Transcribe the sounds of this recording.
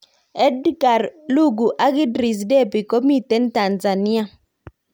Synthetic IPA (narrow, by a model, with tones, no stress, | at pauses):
ɛ˦dɡa˨ɾlu˦˨ɡu˨ʔa˦ɡɪ˦dɾi˨s̬dɛ˦˨pi˨ko˦mi˦tɛ˦n˦ta˨nza˨ni˦a˨